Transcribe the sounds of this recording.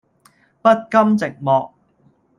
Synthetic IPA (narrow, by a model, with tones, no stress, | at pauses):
pɐ˥t̚kɐ˥mt͡sɪ˨k̚mɔː˨k̚